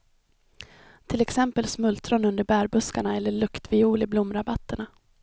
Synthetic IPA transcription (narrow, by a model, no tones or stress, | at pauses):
t̪ʰɪlɛksɛmpəlsmɵlt̪ɾɔnɵnd̪əɾbæːɾbɵskaɳaɛlːəɭɵkt̪vɪuːlɪblʊmːɾabat̪ːəɳa